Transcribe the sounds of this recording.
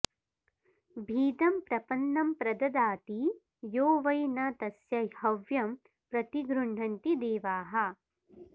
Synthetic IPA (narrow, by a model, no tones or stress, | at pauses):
bʱiːd̪ɐmpɾɐpɐnːɐmpɾɐd̪ɐd̪aːt̪i | joːʋɐjnɐt̪ɐsjɐhɐʋjɐm | pɾɐt̪iɡɾuɳ̤ɐnt̪id̪eːʋaːɦɐ